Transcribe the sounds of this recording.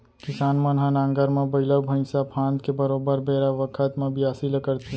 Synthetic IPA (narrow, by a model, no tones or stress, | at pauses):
kɪsaːnmɐ̃nɦãnãːŋɡəɾmẽbɐɦɪləbʱə̃ɪ̃sapʰãːnd̪kebɐɾoːbəɾbeːɾaʋəkʰət̪mẽbʱiaːsiləkəɾt̪e